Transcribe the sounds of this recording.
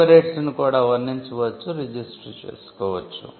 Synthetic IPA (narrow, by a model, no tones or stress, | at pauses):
ɐɾeːʈsnukuːɽaːʋɐnːiɲt͡ʃuʋɐt͡ʃːuɾid͡ʒisʈɾt͡ʃḛːsu̥kɔːʋɐt͡ʃːṵ